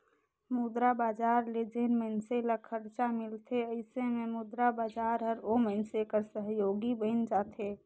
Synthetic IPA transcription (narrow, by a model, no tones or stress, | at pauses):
mud̪ɾabaːd͡ʒaːɾled͡ʒenməɪnseləkʰəɽt͡ʃamɪlt̪ʰeəɪsememud̪ɾabaːd͡ʒaːɾɦəɾoməɪnsekəɾsəɦjoːɡibəɪnd͡ʒat̪ʰe